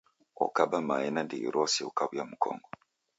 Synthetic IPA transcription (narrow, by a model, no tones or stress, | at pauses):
o̰kabamainandiḭɾosiokaβujamukʰo̰ːŋɡo